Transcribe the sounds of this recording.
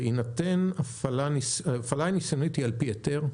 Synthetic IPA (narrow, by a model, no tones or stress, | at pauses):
inatenafalanisfalanisonitialpijot̪eʁ